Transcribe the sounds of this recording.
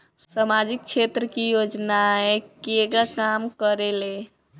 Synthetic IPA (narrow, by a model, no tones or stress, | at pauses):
samad͡ʒik̚t͡ʃʰet̪ɾəkijod͡ʒnaɛekeɡakamkəɾele